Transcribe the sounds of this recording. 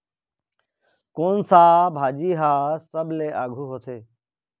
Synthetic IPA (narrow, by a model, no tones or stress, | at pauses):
koːnsaːbʱaːd͡ʒiːɦaːsəbʱleːʔaːɡʱuːɦoːt̪ʰeː